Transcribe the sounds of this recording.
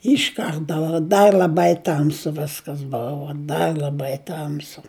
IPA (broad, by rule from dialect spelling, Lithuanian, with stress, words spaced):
ˈɪʃ ˈkɐrtɐ dɐ ˈdɐr lʲɐˈbɐɪ ˈtɐmsʊ ˈʋʲɪskɐs ˈbʊʋʊ ˈdɐr lʲɐˈbɐɪ ˈtɐmsʊ